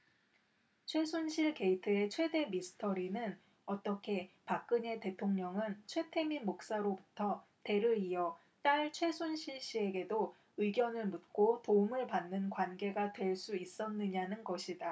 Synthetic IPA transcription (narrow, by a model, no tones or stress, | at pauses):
t͡ɕʰwe̞sʰonɕʰiɭke̞itʰɯe̞t͡ɕʰwe̞de̞misʰɯ̥tʰʌɾinɯn | ʌt͈ʌkʰe̞pak̚k͈ɯɲe̞te̞tʰoŋɲʌŋɯnt͡ɕʰwe̞tʰe̞mimok̚s͈aɾobutʰʌ | te̞ɾɯiʌ | t͈aɭt͡ɕʰwe̞sʰonɕʰiɭɕ͈ie̞ɡe̞do | ɯiɡjʌnɯɭmut̚k͈otoumɯɭpanːɯnkwanɡe̞ɡatwe̞ɭs͈uis͈ʌnːɯɲanɯnɡʌɕʰida